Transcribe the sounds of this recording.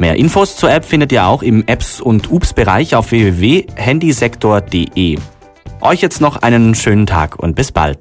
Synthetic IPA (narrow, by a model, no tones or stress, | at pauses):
meːɐʔɪnfoːst͡suːɐʔɛpfɪndətiːɐa̰ʊxɪmʔɛpsʊntʰʔuːpsb̥əʁa̰ɪçaʊfv̥eveːveːhɛndizɛktʰoːɐd̥ḛːʔeː | ʔɔʏçjɛt͡stnɔχʔa̰ɪnənʃøːnəntʰa̰ːkʰʊ̰nt̚b̥ɪsb̥a̰lt